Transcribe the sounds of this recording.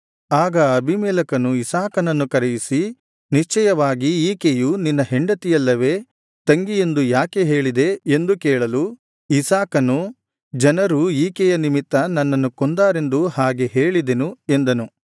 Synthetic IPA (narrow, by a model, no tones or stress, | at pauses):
aːɡɐɐbʱimɛːlɐkɐnuisaːkɐnɐnːukɐɾejisi | niʃt͡ʃɛjɐʋaːɡiiːkejuninːɐɦe̞ɳɖɐt̪ijɐlːɐʋe̞ː | t̪ɐŋɡije̞nd̪ujaːkeɦe̞ːɭid̪e̞ːnd̪ukɛːɭɐlu | isaːkɐnu | d͡ʒɐnɐɾuiːkɛjɐnimit̪ːɐnɐnːɐnːukond̪aːɾe̞nd̪uhaːɡe̞ɦe̞ːɭid̪enue̞nd̪ɐnu